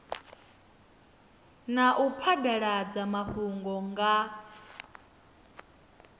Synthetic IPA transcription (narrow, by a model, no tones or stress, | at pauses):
naʔupʰadaɺad͡zamahuŋɡɔŋɡa